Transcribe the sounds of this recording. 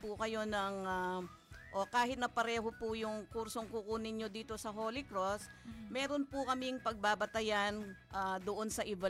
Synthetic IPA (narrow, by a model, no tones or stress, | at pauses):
pʊkɐjo̞nɐŋa | ʔokaːhɪt̪̚nɐpɐɾɛːɦopʊjʊŋkuɾso̞ŋkukunɪɲjo̞d̪iːt̪o̞sɐɦo̞ːlɪkɾosmɛːɾonpʊkɐmɪŋpɐɡ̚baːbɐt̪ɐjanʔad̪oʔo̞nsɐʔɪbɐ